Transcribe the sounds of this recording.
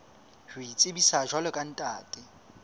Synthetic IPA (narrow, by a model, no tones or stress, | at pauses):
hʊit͡sʼɪbisaʒwalɔkʼan̩tʼaːtʼɪ